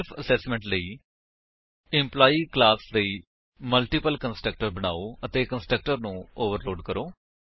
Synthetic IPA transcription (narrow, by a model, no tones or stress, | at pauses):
pʰəsɛːsmə̃ɳʈləiː | ɪ̃mplaːiːklaːsləiː | məlʈiːpəlkənsʈɾək̚ʈəɾbəɽ̃a̰ːoːət̪eːkənsʈɾək̚ʈəɾnũːoːʋəɾloːɖkəɾoː